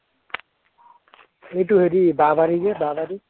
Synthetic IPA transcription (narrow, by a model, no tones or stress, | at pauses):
ejʈuɦeɾibabaɾiɡebabaɾi